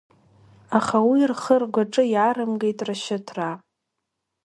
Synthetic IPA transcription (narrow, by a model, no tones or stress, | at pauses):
aχawirχərɡʷaʈ͡ʂʼɨiʕaɾɨmɡe̞jtʼraʃɪtʰra